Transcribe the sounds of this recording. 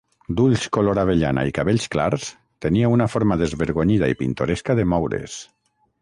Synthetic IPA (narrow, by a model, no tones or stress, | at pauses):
d̪uʎskoloɾaβ̞eʎana̰ikaβeʎskla̰ɾs | t̪eniaunafoɾmaðezβeɾɣ̞oɲið̞aipint̪oɾeskaðemɔwɾḛs